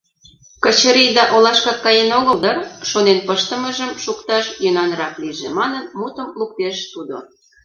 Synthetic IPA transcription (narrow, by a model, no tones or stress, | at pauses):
kət͡ɕəɾid̪ɑʔolɑʃkɑkːɑjenoɣəld̪ɑrʃonenpəʃt̪ə̆məʒəmʃukt̪ɑʃjənɑnɾɑkliʒemɑnənmut̪əmluk̚t̪eʃt̪ud̪o̰